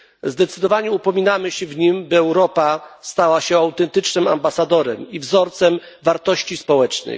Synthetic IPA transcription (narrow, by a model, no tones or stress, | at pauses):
zd̪ɛt̪sɘd̪ɔvaɲɛupɔmʲinamɘɕɛvɲimbɘɛwɾɔpast̪awaɕɛawt̪ɛnt̪ɘt͡ʂnɘma̰mbasad̪ɔɾɛ̰mivzɔɾt̪sɛm | vaɾt̪ɔɕt͡ɕispɔwɛt͡ʂnɛ̰j